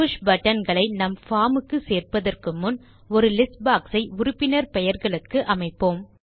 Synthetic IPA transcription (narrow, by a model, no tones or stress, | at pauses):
ʊʂbɐʈːɐnɡɐɭɐɪnɐmfaːmɯkːɯseːrpɐðɐrkɯmːʊn | ɔɾɯlɪsbaːksɐɪʊɾʊpːɪnɐɾpɛjɐɾɣɐɭɯkːɯʔɐmɐɪpːoːm